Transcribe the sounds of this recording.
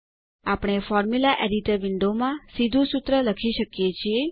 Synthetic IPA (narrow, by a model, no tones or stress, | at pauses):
apɽ̃efɔɾmjulaʔeɖiʈəɾʋɪɳɖomãsid̪ʱũsut̪ɾələkʰiʃəkjet͡ʃʰie